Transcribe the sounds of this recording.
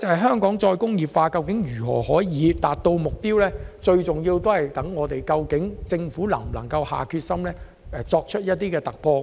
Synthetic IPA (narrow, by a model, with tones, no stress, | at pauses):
t͡sɐ˨hɐ˨˩jɦœː˥ŋkɔː˨˥ŋt͡ʃɔː˧jkʊ˥ŋjiː˨˩pfaː˧kɐ˧wkɪ˨˥ŋjyː˨˩hɔ̰ː˨˩hɔː˨˥jjiː˨˧t̪aː˨t̚t̪o˧wmʊ˨k̚piː˥wlɛː˥t͡ʃɵ˧ɥt͡sʊ˨ŋjiː˧wt̪o˥whɐ˨jt̪ɐ˨˥ŋːɔː˨˧t̪e˨˩jkɐ˧wkɪ˨˥ŋt͡sɪ˧ŋfuː˨˥lɐ̰˨˩ŋlɐ˨˩ŋkɐ˧wha̰ː˨˩kʰyː˧t̚sɐ˥mlɛː˥ | ɛ˧t͡sɔː˧k̚t͡ʃʰɵ˥t̚jɐ˥t̚t̪iː˥kɛː˧t̪ɐ˨k̚pʰɔː˧